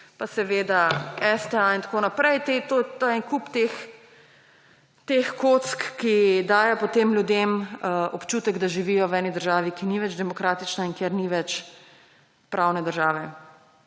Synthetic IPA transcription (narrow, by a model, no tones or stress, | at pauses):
pasɛʋeːd̪aɛst̪ɛaint̪ḁkoːnapɾɛjt̪et̪ot̪aɛŋkupt̪ex | t̪exkot̪skːid̪aːjɛpɔt̪eːmlʲjud̪emɔpt͡ʃuːt̪ɛɡd̪aʒiʋiːjɔwɛːnid̪əɾʒaːʋikiniʋɛd͡ʒd̪ɛmɔkɾaːt̪it͡ʃnaiŋkjeɾniʋɛt͡ʃ | pɾʔaːwnɛd̪əɾʒaːʋɛ